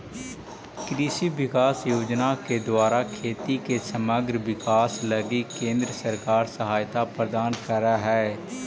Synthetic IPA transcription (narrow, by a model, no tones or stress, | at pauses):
kɾiːʃiʋɪkaːsjoːd͡ʒnaked̪ʊwaːɾakʰeːt̪ikesəməɡɾʋɪkaːsləɡikẽːnd̪ɾəsəɾkaːɾsəɦaːjt̪apɾəd̪aːnkəɾaɦɛː